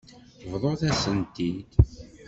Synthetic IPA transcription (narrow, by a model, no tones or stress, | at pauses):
vðˤoθæsənt̪id̪̥